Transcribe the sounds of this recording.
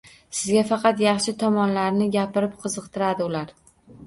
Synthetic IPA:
sɪzɡʲafɑqʰɑt̪jɑχʃɪt̪ʰɒmɒnlaɾnɪɡʲapɪɾɪp̚qʰɨzɨqt̪ʰɪɾad̪ɪʊlaɾ

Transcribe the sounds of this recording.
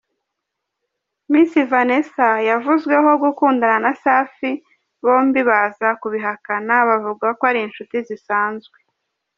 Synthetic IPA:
miːsivane̞sajavuzɡwe̞ɦo̞ɡukuːndananasaːfi | βo̞ːmbiβazakuβiɦakanaβavuɡakoaɾinʃutizisaːnzɡwe

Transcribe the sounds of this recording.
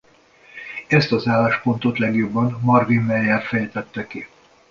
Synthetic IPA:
ɛst̪ɒzaːlaːʃpo̞nt̪o̞t̪lɛɡjo̞bːɒnmɒrvinːɛjaːrfɛjt̪ɛt̪ːɛki

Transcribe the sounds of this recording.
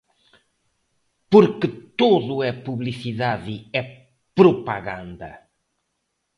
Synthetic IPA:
puɾkɨt̪oðʊɛpuβlisiðaðiɛ | pɾupɐɣã̰nd̪ɐ̰

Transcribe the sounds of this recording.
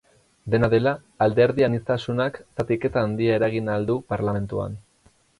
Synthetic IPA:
d̪e̞naðe̞laː | ld̪e̞ɾðianist̪asunaksat̪ike̞t̪aːnd̪iae̞ɾaɣ̞inald̪upaɾlame̞nt̪ua̰n

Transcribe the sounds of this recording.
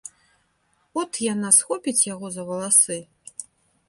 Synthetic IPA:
ɔt̪janasxɔpʲit͡sʲjaɣɔzɐvɐlˠasɨ

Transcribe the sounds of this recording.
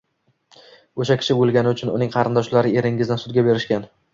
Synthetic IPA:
oʃakʲʰɪ̥ʃɪbolˠɡʲanɪʊt͡ʃʰʊnʊ̰nɪŋqʰɑɾɪnd̪ɒʃlaɾɪe̞ɾɪŋʲɪzd̪ɪnsʊd̪ɡʲabe̞ɾɪʃkʲan

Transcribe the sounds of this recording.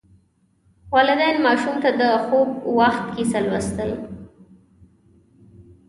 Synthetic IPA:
wɑlɪd̪ɛnmɑʃumt̪ad̪əxobwaxt̪kisalwast̪əl

